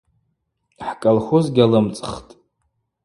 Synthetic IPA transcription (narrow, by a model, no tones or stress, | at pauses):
ħkʼalχozɡʲalɨmt͡sʼχtʼ